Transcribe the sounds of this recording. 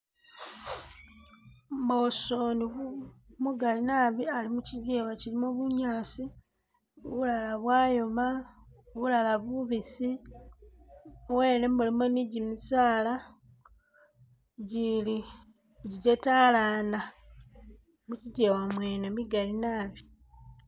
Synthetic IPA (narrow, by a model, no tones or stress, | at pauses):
mosoni | muɡalinaβialimuciɟeːwacilimuβuɲaːsi | oβulalaβwaːjo̞ma | oβulalaβuβisi | owe̞ːne̞mulimoniɟimisaːla | ɟili | ɟiɟetalaːna | muciɟewamweːnemiɡalinaːβi